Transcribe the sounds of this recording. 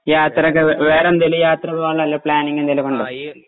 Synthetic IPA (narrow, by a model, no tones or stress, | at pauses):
jaːt̪rɐkːɨʋeːɾɐmd̪elujaːt̪rɐðʋaːɭːɐɐlːɐpɭaːniŋɡend̪elɐkoɳɖo